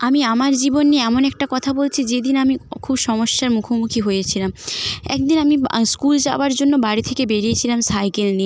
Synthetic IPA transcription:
amiamaɾd͡ʑibonːieɛmonɛk̚ʈakɔt̪ʰabolt͡ɕʰid͡ʑed̪inamikʰubʃɔmoʃːaɾmukʰomukʰiɦojet͡ɕʰilamɛ̰k̚d̪inamiskuld͡ʑaoaɾd͡ʑonːobaɽit̪ʰekebeɾiet͡ɕʰilamsajkelni

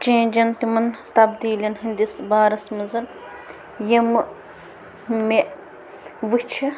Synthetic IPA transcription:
t͡ʃẽːd͡ʒɐnt̪imɐnt̪ɐbd̪iːlɐnɦind̪isbaːɾɐsmɐnzɐl | jɐmɨ | meʔ | ʋɨt͡ʃʰɐ

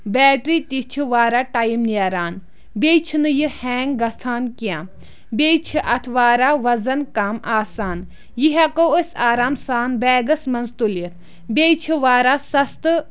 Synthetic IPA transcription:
bɛːʈɾiːt̪it͡ʃʰiʋaːɾaːʈajimniaːɾaːn | bʲeːt͡ʃʰinɨjihɛːŋɡɡɐst̪ʰaːnkiãː | bʲeːt͡ʃʰiʔɐt̪ʰʋaːɾaːʋɐzɐnkaːmaːsaːn | jiɦakoosʲaːɾaːmsaːnbɛːɡɐsmɐnzt̪uliɾ | bʲeːt͡ʃʰiʋaːɾaːsɐst̪ɨ

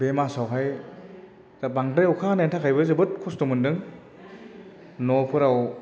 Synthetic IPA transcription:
bemasawɦaj | zabaŋdajɔkʰanentʰakʰajbɯzɯbɯt̚kʰustɔmɯndɯŋ | nɔpʰɯɾaw

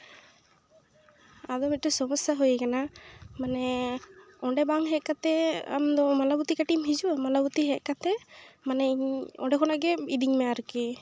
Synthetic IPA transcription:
ad̪ɔmit̪̚ʈɔsɔmɔsaɦujɛkanamanɛ | ɔɳɖɛbaŋɦɛʔ̚kat̪ɛa̰md̪ɔmalabut̪ikaʈimɦid͡ʒuamalabut̪iɦɛʔkat̪ɛmanɛiɲɔ̰ɖɛkʰɔnaʔɡɛid̪iɲmɛaɾuki

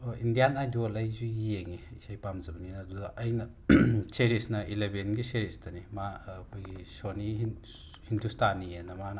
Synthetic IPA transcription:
oindijanajdolɐjzuieŋiisajpamzɐbɐninɐdudɐʔɐjnɐ | seɾisnɐʔilebenɡiseɾistɐnimaːkʰojɡisoni | hindustʰanːienɐman

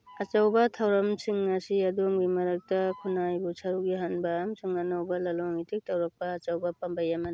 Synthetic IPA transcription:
ɐt͡ʃɐwbɐtʰawɾɐmsiŋːɐsiɐdomɡimɐɾɐk̚tɐkʰunajbusʰɐɾuk̚ɡiɦanbɐːmsuŋanawbɐlɐloŋitʰik̚tɐwɾɐk̚pɐːt͡ʃɐwbɐpɐmbɐjamɐn

